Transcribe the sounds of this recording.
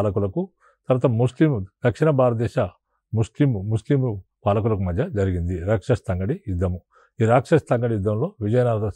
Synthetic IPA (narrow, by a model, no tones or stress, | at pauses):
lɐkulɐku | t̪ɐɾɐt̪ɐmuslimd̪̥ɐkʂinɐbʱaːɾɐd̪ɛːʃɐ | muslimmuslim | paːlɐk̬ulɐkumɐd̪ʱjɐd͡ʒɐɾiɡind̪iɾɐkʂɐst̪ɐŋɡɐɽiid̪ːɐmu | iːɾaːkʂɐst̪ɐŋɡɐɽijud̪ːɐmlo̞ːʋid͡ʒɐjɐnaːɾɐt̪ɐ